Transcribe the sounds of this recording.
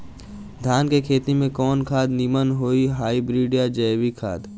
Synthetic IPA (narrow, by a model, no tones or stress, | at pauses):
d̪ʱjaːnkekʰeːt̪imẽkɔːnkʰaːd̪nimənɦoːiɦaːibɾiːɖijad͡ʒəːwikʰa̰ːd̪